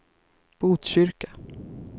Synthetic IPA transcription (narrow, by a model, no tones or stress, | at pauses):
b̥uːt̪ɕʏɾka